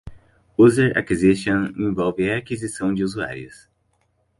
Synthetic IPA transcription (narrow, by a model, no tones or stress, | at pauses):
uzeɾa̰kiziʃõnẽvɔwvɪakizisɐ̃w̃d͡ʒɪuzua̰ɾiʊ̰s